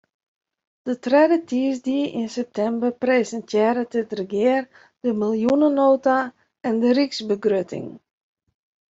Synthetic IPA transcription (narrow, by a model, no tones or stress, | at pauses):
d̥ətrɛdətiəsdiəʔɪnsɛp̚tɛmbərpreːsəntjɪːɾətətrəɡjɪər | d̥əmilˠjunənoːta | ɛndəriksbəɡrøtɪ̰ŋ